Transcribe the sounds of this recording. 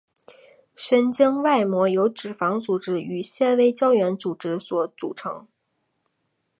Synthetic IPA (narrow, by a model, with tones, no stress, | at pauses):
ʂə˧˥nt͡ɕi˥ŋwa˥˩ɪmwɔ˧˥jo˧˥ʊʈ͡ʂɻ̩˨˩fɑ˧˥ŋt͡su˨˩ʈ͡ʂɻ̩˥y˨˩ɕjɛ˥˩nwe˥ɪt͡ɕjɑ˥ʊɥɛ˧˥nt͡su˨˩ʈ͡ʂɻ̩˥swɔ˧˥˩t͡sṵ˨˩ʈ͡ʂʰɤ̰˧˥ŋ